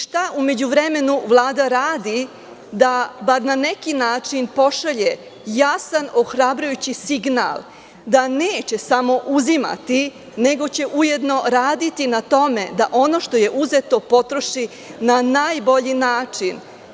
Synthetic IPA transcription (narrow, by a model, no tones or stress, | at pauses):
ʃt̪aʔume̞d͡ʑuʋɾe̞me̞nuʋlˠaːd̪aɾaːd̪i | d̪abaɾnane̞kinaːt͡ʂinpo̞ʃaʎe | jasano̞xɾabɾujut͡ɕisiɡna̰lˠ | d̪aneːt͡ɕe̞samo̞ʔuzima̰t̪i | ne̞ɡo̞t͡ɕe̞ʔuje̞d̪no̞ɾaːd̪it̪inat̪o̞me̞d̪aʔo̞no̞ːʃt̪o̞je̞ʔuzet̪o̞po̞t̪ɾo̞ʃi | nanaːjbo̞ʎinaːt͡ʂin